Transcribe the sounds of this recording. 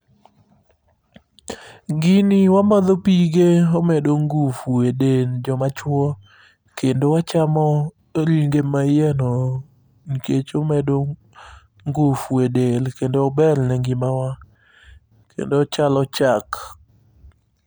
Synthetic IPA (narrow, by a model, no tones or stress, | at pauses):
ɡɪnɪwamɔd̪ɔpiɡeɔmɛdoŋɡufuedeld͡ʒɔmat͡ʃwɔ | kendowat͡ʃamɔ | ɾiŋɡemajɛnɔ | ɲiket͡ʃomɛdo | ŋɡufuedelkendoɔbɛlnɛŋɡɪmawa | kʰḛndot͡ʃalɔt͡ʃak